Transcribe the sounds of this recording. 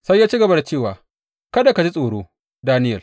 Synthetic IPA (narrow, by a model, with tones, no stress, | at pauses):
sa˦jːaː˦t͡ʃiː˦ɡɐ˨ba˦da˨t͡ʃeː˦˨waː˨ | kɐ˦da˨ka˨d͡ʒi˦sʼoː˨ɽoː˦ | daː˦nɪ˦jɐ˨l